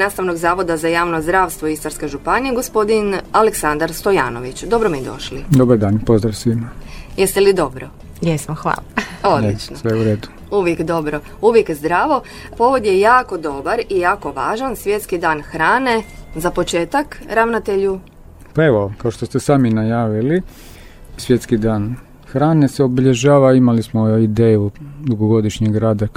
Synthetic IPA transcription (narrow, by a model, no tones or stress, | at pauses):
naːst̪aʋno̞ɡzaːʋo̞d̪azajaːʋnozd̪ɾaːʋst̪ʋo̞ist̪aɾskeʒupanijeɡo̞spo̞d̪inaleksand̪aɾst̪o̞ja̰ːno̰ʋit͡ɕd̪o̞bɾomied̪o̞̰ʃlid̪obaɾd̪aːnpo̞zd̪ɾaʋsʋimajest̪elid̪o̞bɾo̰ | jesmoxʋa̰ːlˠaod̪lit͡ʃnosʋeuɾeːd̪u̥ | uʋjekd̪o̞bɾo̞ | uʋjekzd̪ɾaːʋo̞ | po̞ʋod̪jejaːko̞d̪o̞baɾijaːko̞ʋaːʒansʋje̞t̪skid̪aːnxɾaːne̞zapo̞t͡ʃeːt̪akɾaʋnat̪eʎu | paeʋokaoʃt̪ost̪esaːminajaːʋili | sʋjet̪skid̪aːn | xɾaːneseobiʎeʒaːʋaimalismoid̪eːjud̪uɡoɡo̞d̪iʃɲeɡɾaːd̪a